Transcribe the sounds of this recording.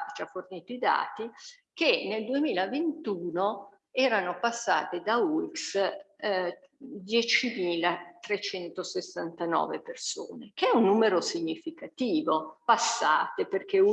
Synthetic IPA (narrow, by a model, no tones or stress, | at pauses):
d͡ʒaforniːt̪oid̪a̰ːt̪i | keneld̪uemiːlavent̪uːno | ɛːɾanopasːa̰ːt̪ed̪auiks | d̪jɛt͡ʃimiːlat̪ɾet͡ʃɛnt̪osesːant̪anɔ̰ːveperso̰ːnekeɛunːuːmeɾosiɲːifikat̪iːvopasːaːt̪eperk̟e